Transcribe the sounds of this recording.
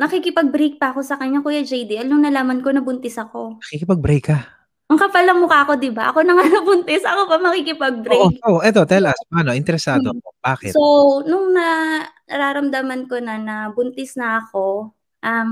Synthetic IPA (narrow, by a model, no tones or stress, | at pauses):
nɐkikɪpɐɡ̚bɾejk̚pɐɐkosɐkɐɲːakuːjɐd͡ʒɛjd̪ɪʔɐlnʊŋnɐlaːmɐnko̞nɐbʊnt̪ɪsɐko̞nɐkikɪpɐɡ̚bɾɛjkːɐ | ʔɐŋkɐpɐlːɐŋmʊkaʔɐko̞d̪ɪbaʔɐ̰ko̞nɐŋanɐbʊnt̪ɪsɐkopɐmɐkiːkɪpɐɡ̚bɾekoʔɛt̪̬o̞t̪ɛlʔɐspanoʔɪnt̪ɛɾɛsaːd̪opob̥aːkɛ̰sonʊŋnɐnɐɾaːɾɐmd̪amɐnko̞nɐnɐbʊnt̪ɪsnɐɐko̞ | ʔɐm